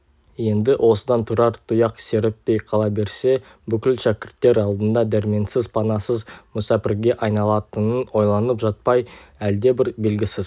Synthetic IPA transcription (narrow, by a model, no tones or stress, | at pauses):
je̞nd̪ɪʔwʔo̞səd̪ɑnt̪ʰʊɾɑɾt̪ʰʊjɑqse̞ɾɪpːe̞jqʰɑlˠɑbe̞ɾse̞ | bʏkʲɪlʃækʲɪɾt̪ːe̞ɾɑlˠd̪ənd̪ɑd̪æɾme̞nsɪzpʰɑnɑsəzmʊsɑpɪɾɡʲe̞ʔɑjnɑlˠɑt̪ənənwo̞jlˠɑnəpʒɑt̪̚pɑjæld̪e̞bɪɾbe̞lɡʲɪsɪz